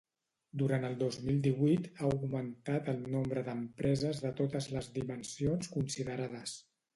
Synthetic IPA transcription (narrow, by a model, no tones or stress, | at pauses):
d̪uɾant̪əlˠd̪ozmilˠd̪iβujt̪auɣmənt̪at̪əlˠnombɾəðəmpɾɛzəzðət̪ot̪əzləzðimənsionskunsiðəɾaðəs